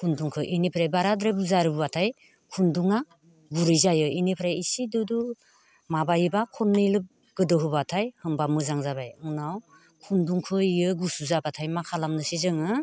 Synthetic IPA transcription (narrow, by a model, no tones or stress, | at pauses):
kʰunduŋkʰɯʔinipʰɾajbaɾadɾabuzaɾɯbɯwatʰaj | kʰunduŋa | ɡuɾijzajɯinipʰɾajisidudu | mabajɯbakʰɔɾnɯlɯp̚ | ɡ̥ɯdɯɦɯbatʰajhɯŋbamɯzaŋzabajɯŋnaw | kʰunduŋkʰɯijɯɡusuzabatʰajmakʰalamnɯsizɯŋɯ